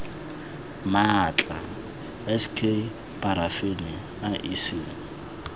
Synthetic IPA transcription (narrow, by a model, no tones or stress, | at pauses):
mat͡ɬʼa | ɛskʰe | pʼaɾafenɪ | aʔisɪː